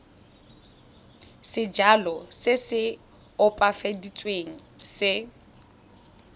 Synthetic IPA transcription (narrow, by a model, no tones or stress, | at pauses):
sɪd͡ʒalɔsɪsɪ | ʊpʼafedit͡sʼweŋ̩sɪ